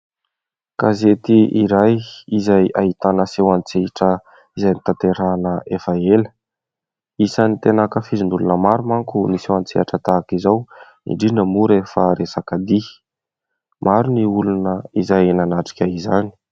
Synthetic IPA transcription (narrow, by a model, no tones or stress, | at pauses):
kazet̪iʔiɾajizajaɦit̪anəsewant͡seʈ͡ʂə | izajnit̪ant̪eɾanəʔefaelə̥ | isanit̪enakəfizind̪ulunəmaɾumaŋkunisewant͡seaʈ͡ʂət̪akizaw | ḭɳɖ͡ʐinəmuɾefəɾesakad̪i | mʔaɾuniulunəizajenanaʈ͡ʂi̥kʲaizani̥